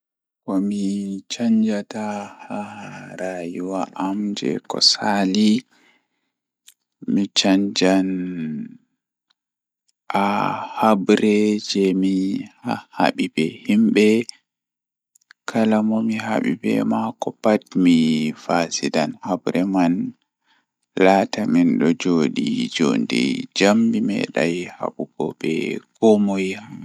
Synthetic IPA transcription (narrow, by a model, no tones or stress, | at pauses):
kɔmit͡ʃaɲd͡ʒatahaɾajuwaʔamd͡ʒɛ̰kɔ̰sali | mit͡ʃaɲd͡ʒan | ʔahabɾɛd͡ʒɛmihaha̰ɓibɛhimɓɛ | kʰalamɔmiɦa̰ɓḭbɛ̰makɔpatmifasidanhabɾɛman | lataminɗɔd͡ʒoɗid͡ʒondɛ̰d͡ʒambimɛ̰ɗa̰jha̰ɓubɔ̰bɛ̰kɔmoja